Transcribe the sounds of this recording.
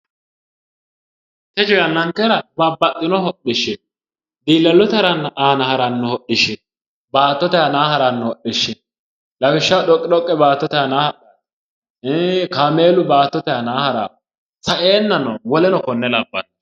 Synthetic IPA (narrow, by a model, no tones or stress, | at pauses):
t̪ɛt͡ʃɔjɐnːɐŋkɛɾɐbɐbːɐtːɪnɔɦɔɗɪʃːɛ | d̪iːlːɐlːʊt̪ɐɾɐnːɐʔaːnɐhɐɾɐnːɔhɔɗɪʃɛ | baːt̪ːɔt̪ɛjanaːɦɐɾanːʊhɔɗɪʃːɛ | lɐbɪʃːɐwɗɔkʼːɪɗɔkʼːɛbaːt̪ːɔt̪ɛjanaːhɐʔ | kame̞ːlʊbaːt̪ːɔt̪ɛjɐnaːhɐɾa̰ː | sɐʔeːnːɐnɔwɔlɛnɔkɔnːɛlɐbːɐ̰n